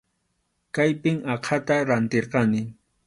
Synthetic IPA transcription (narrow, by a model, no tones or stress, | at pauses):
kajpɪŋɑqʰat̪aɾant̪eɾqɑnɪ